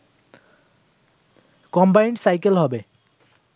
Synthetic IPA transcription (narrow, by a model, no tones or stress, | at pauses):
kɔmbajɳɖsajkelɦɔbe